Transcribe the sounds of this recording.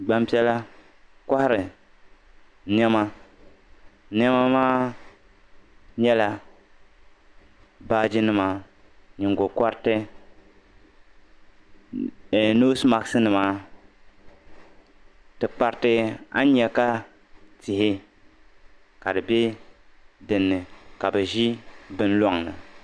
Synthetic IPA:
ɡ͡ba˦mpi˦ɛ˦la˦ | kʷa˦hɾɪ˨ | nɛ˦ma˦ | nɛ˦ma˦maː˦ | ɲɛ˦la˦ | baː˦d͡ʒi˦nɨ˨ma˨ | ɲi˨ŋ˨ɡo˨kʷa˦ɾtɪ˦˨ | no˦sma˨ksɨ˦nɨ˨ma˦ | tɨ˨k͡pa˦ɾtɨ˦a̰˦ɲɛ˨ka˦ | tɪ˨hɪ˦ | ka˨dɨ˨be˦ | dɨ˨nːɨ˨ka˨bɨ˨ʒi˦bɨ˦n˦lɔ˦ŋnɨ̰˨

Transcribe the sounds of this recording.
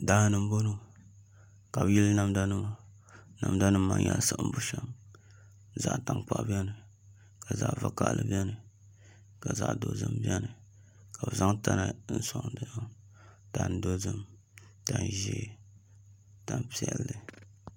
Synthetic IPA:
daː˦nɨ˨m˦bo˦no˦ | ka˨bji˦lna˦mda˦nɨ˦ma˨ | na˨m˦da˦nɨ˦mːa˨ja̰˨lsɨ˦ʔm̩˦bu˦ʃɛ˦m | za˦ʔta˨ŋk͡pa˦ʔbi˦ɛ˦nɨ˨ | ka˨za˨ʔva˦ka˦ʔlʔɨ̰˦bjɛ˦nɨ˨ | ka˨za˦ʔdo̰˨zɨ̰˦mbi˦ɛ˦nɨ˨ | ka˨bɨ˨za˦ŋta˦na˦n̩˦sɔ˨ŋdɨ˨na˦ | ta˨n˨do˦zɨ˦m | ta˨nʒi˦ | ta˨mpi˦ɛ˨lːɨ˦

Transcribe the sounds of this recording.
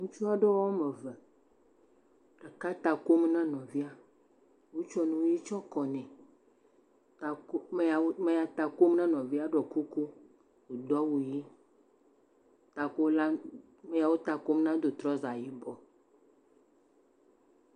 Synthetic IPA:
ŋũ˦t͡ʃu˦a˦ɖe˦wɔ˦me˨vɛ˨ | ɖ̥a˨ka˦t̪a˨ko˦me˦nã˦nɔ̃˨vi˦a˦ | wo˦t͡ʃɔ˦nũ˨wji˦t͡ʃɔ˦kɔ˨nɛ̃˨ | ta˨o˦m˨˦mẽ˨ja˨t̪a˨ko˦m˦nã˦nɔ̃˨vi˦a˦ɖɔ˨ku˦ku˦ | wo˨d̪ɔ˦wu˨ji˦ | t̪a˨ko˦la˦ | me˦ja˨wo˦t̪a˨ko˦m˦nã˦d̪o˨t̪ɾɔ˦za˨ji˦bɔ˨

